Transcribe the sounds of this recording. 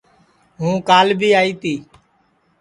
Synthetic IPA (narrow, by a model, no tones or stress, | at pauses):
ɦũːkaːlbʱiːaːiːt̪iː